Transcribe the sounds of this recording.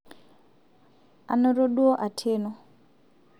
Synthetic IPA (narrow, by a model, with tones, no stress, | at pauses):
a˨no˦ɾo˦ɗu˦o˦ʔa˨tʰeː˦no˦